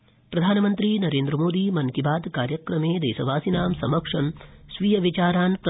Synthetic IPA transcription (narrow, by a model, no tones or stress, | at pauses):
pɾɐd̪ʱaːnɐmɐnt̪ɾinɐɾeːnd̪ɾɐmoːd̪imɐŋkibaːd̪kaːɾjɐkɾɐmeːd̪eːsɐʋaːsinaːmsɐmɐkʂɐmsʋiːjɐʋit͡ʃaːɾaːnpɾɐ